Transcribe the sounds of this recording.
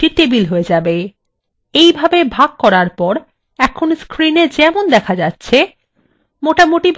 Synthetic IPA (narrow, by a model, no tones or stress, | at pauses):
it̪ebilɦoed͡ʑabe | ejbʱabebʱaɡ̚kɔɾaɾpɔɾ | ɛkʰonskɾined͡ʑɛmond̪ɛkʰad͡ʑatːɕʰe | moʈamoʈibʱ